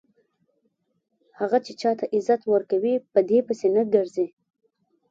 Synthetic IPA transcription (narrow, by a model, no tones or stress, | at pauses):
haɣat͡ʃet͡ʃɑt̪aʔɪzat̪wəɾkawipəd̪epəsenəɡəɾzi